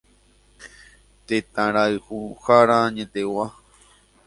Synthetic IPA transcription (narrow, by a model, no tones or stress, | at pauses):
t̪et̪ãɾaɨhuhaɾãɲẽt̪ewa